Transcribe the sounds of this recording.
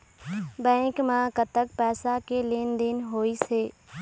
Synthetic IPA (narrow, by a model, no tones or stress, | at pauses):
bɛ̃ːŋkmãkət̪ək̚pɛːsakeleːnd̪ɪnɦoːiseː